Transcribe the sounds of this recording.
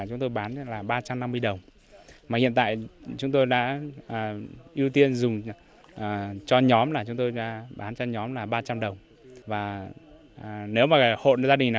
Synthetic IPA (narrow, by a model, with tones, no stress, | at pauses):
t͡ɕʊ˨˦ŋ͡mt̪o˧jɓaː˨˦nlaː˨˩ɓaː˧t͡ɕa˧mna˧mːɨ˧əjɗə˨˩wŋ͡m | maː˨˩hḭ˧˨ənt̪a̰ː˧˨jt͡ɕʊ˨˦ŋ͡mt̪o˧jɗa̰ː˧˥ʔːʔi˧əwt̪i˧ənzʊ˨˩ŋ͡m | ʔːt͡ɕɔ˧ɲɔ˨˦mlaː˨˩t͡ɕʊ˨˦ŋ͡mt̪o˧jɗa̰ː˧˥ɓaː˨˦nt͡ɕɔ˧ɲɔ˨˦mlaː˨˩ɓaː˧t͡ɕa˧mɗə˨˩wŋ͡m | vaː˨˩˨ | ne˨˦wmaː˨˩ɣho̰˧˨n˧˨zaː˧ɗï˨˩ŋ̟naː˨˩